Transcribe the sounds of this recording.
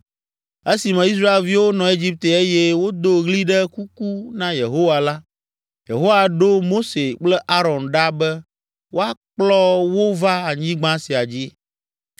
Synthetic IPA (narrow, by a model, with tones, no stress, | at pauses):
e˦si˨mɛ̃˨i˦s̬ɾa˦e˨lvi˦wo˦nɔ̃˨e˦d͡ʑi˦p̚t̪e˨e˦jɛ˦wo˦d̪o˦ɣli˦ɖɛ˦ku˦ku˦nã˦je˨ɦo˦wa˨la˦ | jḛ˨ɦo˦wa˨ɖo˦mo˦se˨k͡plɛ˦ʔa˦ɾɔ˨nɖa˦bɛ˦ | wo˦a˦k͡plɔ˦wo˦va˦a˨ɲĩ˦ɡ͡bã˦si˨a˨d͡ʑi˦